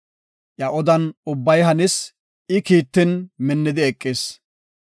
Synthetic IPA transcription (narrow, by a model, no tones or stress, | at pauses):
ʔɐʔɔd̪ɐnʊbːɐjɦɐnɪs | ɪkiːt̪ːɪnmɪnːɪd̪ɪɛkʼːɪs